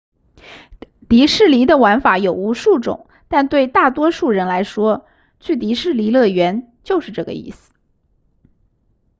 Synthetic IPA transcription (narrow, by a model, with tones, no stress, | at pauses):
t̪i˧˥ʂɻ̩˥˩li˧˥d̪ə˨wa˧˥nfa˧˥jo˨˩ʊu˧˥ʂu˥˩ʈ͡ʂʊ̰˨˩˦ŋ | t̪a˥˧nt̪we˥˧ɪt̪a˥˩t̪wɔ˥ʂu˥˩ɻə˧˥nla˧˥ɪʂwɔ˥ | t͡ɕʰy˥˩t̪̬i˧˥ʂɻ̩˥˩li˧˥lɤ˥˩ɥɛ˧˥n | t͡ɕjo˥˧ʊʂɻ̩˥˧ʈ͡ʂɤ˥˩ɡə̰˩ḭ˥˩sɹ̩̥˩